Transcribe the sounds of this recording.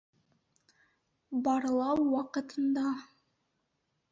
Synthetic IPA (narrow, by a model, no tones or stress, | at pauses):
bɑɾlˠɑwːɑqɤ̆t̪ɤ̆nd̪ɑ